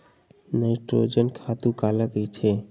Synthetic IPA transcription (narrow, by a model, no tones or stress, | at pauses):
naɪʈɾo̰d͡ʒənkʰat̪ukaləkəjt͡ʃʰe